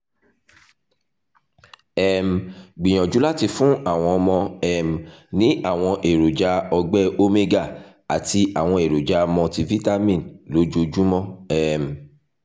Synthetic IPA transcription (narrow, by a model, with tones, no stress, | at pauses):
ɛ˦˧m̩˨ɡ͡bĩ˨j̃ɔ̃˨d͡ʒu˨˦la˦ti˧fũ˦a˦˨w̃ɔ̃˧ɔ˧mɔ̃˧ɛ˨m̩˨nĩ˨˦a˦˨w̃ɔ̃˧ʔe˨ɾo˨d͡ʒa˧˦ɔ˧ɡ͡bɛ˦o˦me˦ɡa˦˨ | a˨ti˧ʔa˨w̃ɔ̃˧e˨ɾo˨d͡ʒa˧mɔ̃˧ti˧vi˦ta˦mĩ˦˨nlo˨˦d͡ʒo˧d͡ʒu˦mɔ̃˦ɛ˦˨m˨